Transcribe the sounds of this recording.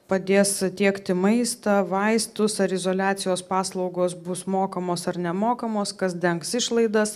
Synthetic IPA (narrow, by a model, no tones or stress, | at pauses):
pɐd̪ʲeːst̪ʲiɛkt̪ʲɪmɐɪst̪ɐʋɐɪst̪ʊsɐɾɪzoːlʲæːt̪sʲɪjoːspɑːslˠɐʊɡoːs̬bʊsmoːkɐmoːsɐɾnʲɛmoːkɐmoːskɐsd̪ʲɛŋksɪʃlˠɐɪd̪ɐs